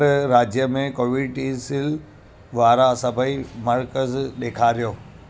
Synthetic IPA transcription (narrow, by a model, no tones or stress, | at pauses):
ɾɾaːd͡ʑjəmẽkoːʋɪʈisɪl | ʋaːɾasɐbʱəimɐɾkəzɗeːkʰaɾijoː